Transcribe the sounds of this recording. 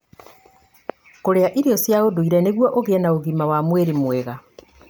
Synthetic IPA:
koɾeaʔiɾiɔsjaodoiɾɛneɣwɔʔoɣeɛnaoɣimawamweɾimwɛɣa

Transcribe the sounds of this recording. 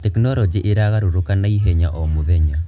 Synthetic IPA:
tɛknɔɾɔd͡ʒiʔeɾaɣaɾoɾokanaiɦɛɲaʔɔmoðɛɲa

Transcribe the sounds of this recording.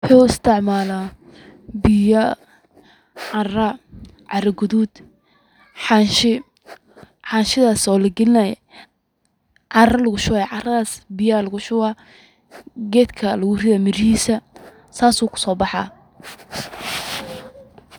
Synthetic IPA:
wwʊħuːɪst̪ʰɪʕmaːla | bɪjɐ | ʕɑrɐ | ʕɑɾɐɡʊðuːd̪ | ħɑnʃɪ | ħɑːnʃɪðaːsɔːlɐɡɪlɪnɛj | ʕɑrɐlɐɣʊʃʊwaʕɑrɐaːsbɪjɐlɐɣʊʃʊwa | ɡɛːd̪kʰɐlɐwʊrɪðɐmɪɾhiːsɐ | saːsuːkʰʊ̥sɔːbɑħɑː

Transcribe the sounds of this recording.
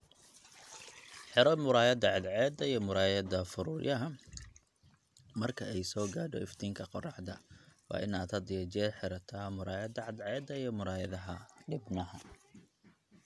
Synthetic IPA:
ħɪɾɐmʊɾaːjɐd̪ɐʕɪd̪ʕɛːd̪ɐijɔmʊɾaːjɐd̪ɐfʊɾʊːjʔɐɦɐ | mɐrkʰɐɛjsɔːɡaːɖɔ̰ɪft̪ʰiːŋkʰɐqɔrɑħd̪ɐwɑ̰ːʔɪnaːd̪hɐd̪ɪjɐt͡ʃɛːħɪɾɐt̪ʰaːmʊɾaːjɐd̪ɐʕɪd̪ʕɛːd̪ɐijɔmʊɾaːjɐðɐɦɐɖɪbnɐɦɐ

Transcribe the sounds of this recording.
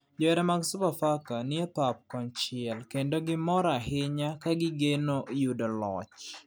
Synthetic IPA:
d͡ʒɔɛɾɛmaɡsʊpafakaniepap̚kɔnt͡ʃɪɛlkendoɡɪmɔɾaɦɪɲakaɡɪɡenojudolɔt͡ʃ

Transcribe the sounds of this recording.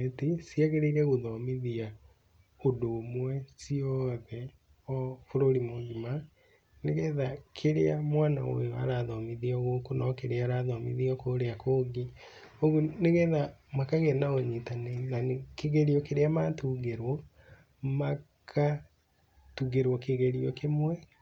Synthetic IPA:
etisiaɣeɾeiɾɛɣoðɔmiðia | odoːmwɛsiɔðɛ | ɔfoɾoɾimoɡima | neɣɛðakʰeɾeamwana̰wo̰joa̰ɾaðɔmiðiɔɣokonɔkeɾeaɾaðɔmḭðiɔkoɾeakoːɡi | oɣoneɣɛðamakaɣɛnaoɲitanenanekeɣeɾiɔkeɾeamatuɣeɾwɔ | ma | kʰa | tuɣeɾwɔkeɣeɾiɔkemwɛ

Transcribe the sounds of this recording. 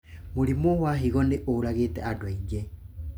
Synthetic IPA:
molimowaɦiɣɔneʔolaɣetɛ̰adwaid͡ʒɛ

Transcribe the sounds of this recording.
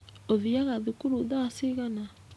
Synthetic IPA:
oðiaɣaðikuɾuðasiɣana

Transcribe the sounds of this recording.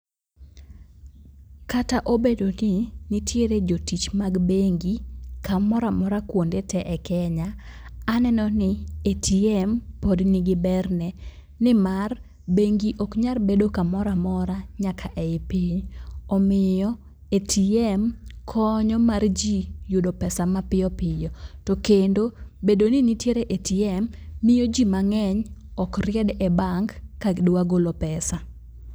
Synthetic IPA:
kataʔobedonɪnɪtʰjeɾed͡ʒotit͡ʃmaɡbeŋɡikamɔɾamɔɾakwondetʰɛʔɛkɛɲaː | nɛnɔnɪetʰiɛmpodnɪɡɪbɛrnɛ | nɪmar | beŋɡiʔokɲarbedokamɔɾamɔɾaɲakʰaʔɛɪpiɲɔmɪjɔ | etʰiɛmkʰɔɲɔmard͡ʒijodopɛsamapɪjɔpɪjɔtɔkendobedonɪnitjeɾeʔetiɛmːɪjod͡ʒimaŋɛɲɔkrɪɛdɛbaŋkkːaɡdwaɡolopɛsa

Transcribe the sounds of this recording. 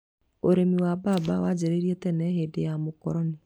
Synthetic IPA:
oɾemiwabaːbawad͡ʑeɾeɾiɛtɛnɛɦedejamokɔɾɔne

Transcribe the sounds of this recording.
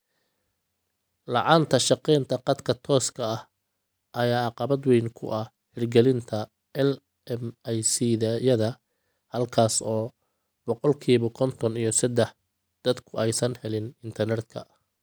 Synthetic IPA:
lɑʕɑːnt̪ʰɐʃɑqɛjnt̪ʰɐqɑd̪kʰɐt̪ʰɔːskʰɐɐh | ʔɐjaːɑqɑbɐd̪wɛjnkʰʊ̰ʔɐh | ħɪrɡɛlɪnt̪ʰɐ | ɛl | ɛmɛjsiːðɐjɐðɐ | hɐlkʰaːsɔː | bɔqɔlkʰiːβʊkʰɔnt̪ʰɔnijɞsɐd̪ɛħ | d̪̥ɐd̪kʰʊɛjsɐnhɛlɪnɪnt̪ʰɐrnɛt̪kʰɐ̰

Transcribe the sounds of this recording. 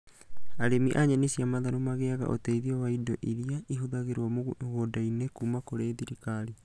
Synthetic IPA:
aɾemiʔaɲanesiamaðaɾomaɣeaɣa̰ʔo̰tɛiðiɔwaidɔʔiɾiaiɦoðaɣeɾwamɣodainekuːmakoɾeðiɾikaɾi

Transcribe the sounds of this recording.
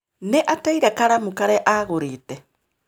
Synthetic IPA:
neʔataiɾakaɾamukaɾeʔaɣoɾiːte

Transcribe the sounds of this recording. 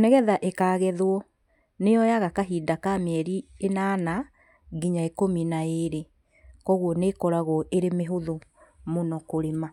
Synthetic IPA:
nɛɣɛðaʔekaːɣɛðwɔ | nejɔjaɣakaɦiːdakamɛɾienaːna | ɡiɲaekominaeɾe | kɔɣwɔnekɔɾaɣɔʔeɾemeɦoðomonɔkoɾema

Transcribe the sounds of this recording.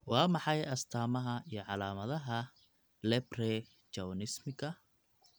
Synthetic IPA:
wɑːmɑħɑjɐst̪ʰaːmɐɦɐijɞʕɑlaːmɐðɐɦɐ | lɛbrɛ | t͡ʃɐwnɪsmɪkʰɐ

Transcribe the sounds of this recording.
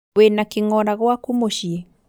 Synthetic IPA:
wenakiŋɔɾaɣwakumoʃie

